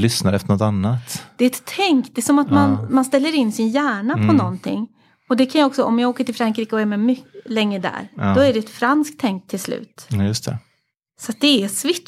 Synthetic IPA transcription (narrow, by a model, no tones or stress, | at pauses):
lʏsnaɾɛft̪əɳɔt̪anːat̪d̪̥ɛɛt̪ʰːɛŋkd̪ɛsɔmat̪manmanst̪ɛlːəɾɪnːsɪnjæːɳapʰɔnɔnt̪ʰɪ̰ŋː | ɔd̪ɛkʰanjɑɔksɔɔmjɑːɡoːkəʈʰɪlfɾaŋkɾiːkəɔæɾmɛmʏlɛŋːɾəd̪æ̰ːɾd̥̪ɔæɖɛɛt̪fɾansk̚t̪ʰːɛŋk̚t̪ʰːɪlslʉ̰ːt̪jɵst̪ʰɛ̰ | sɔat̪̚d̪ɛæsvɪʈː